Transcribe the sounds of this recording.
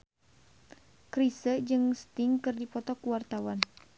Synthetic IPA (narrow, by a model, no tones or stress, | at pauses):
kɾisəd͡ʒɨŋst̪iŋkɨrdipɔt̪ɔkuwart̪awan